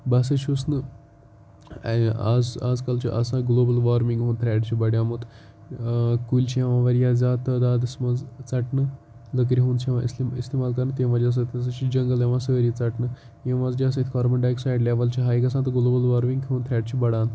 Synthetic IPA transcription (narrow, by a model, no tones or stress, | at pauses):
bas̬ət͡ʃʰusnɨ | a̰d͡zad͡zkalt͡ʃḭʔɐsãɡloːbəlʋaɾmiŋɡɦoːnt̪ʰɾɛːʈt͡ʃʰibɐɽjãmut̪ | kulʲt͡ʃijãʋãʋɐɾjazʲaːd̪t̪əd̪aːd̪smɐzt͡saʈnɨ | lək̬ɾʲiɦoːnt͡ʃʰẽʋãʔist̪ist̪emaːlkɐɾnt̪ẽʋad͡ʒas̬ɐt̪ʰʲɐs̬ɐt͡ʃʰid͡ʒɐŋɡəljẽʋãsəɾjit͡saʈnɨ | jeʋãd͡zd͡ʒas̬ɐ̃t̪ʰʲkɔːɾbəɳɖaːjksaːjɖlʲeʋəlt͡ʃiɦaːjikɐsãt̪ɐɡloːbəlʋaːɾmĩŋɡʰɦõːnt̪ʰɾɛːʈ̚t͡ʃʰibɐɽãːn